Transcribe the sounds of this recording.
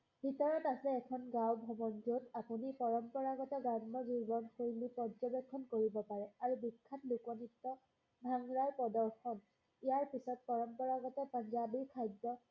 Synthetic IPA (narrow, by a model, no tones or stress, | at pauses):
bʱitɔɹɔtasɛɛkʰɔnɡãwbʱɔmɔnd͡ʒodapunipɔɹɔmpɔɹaɡɔtɛɡannɔɡiɹbɔnxojlipɔzɔbekʰːɔnkoɹibɔpaɹɛaɹubikʰːatlukɔnitːɔ | bʱaŋɹaɹpɔdɔɹxɔn | ijaɹpisɔt̚pɔɹɔmpɔɹaɡɔtɛpaɲzabiɹkʰajdːɔ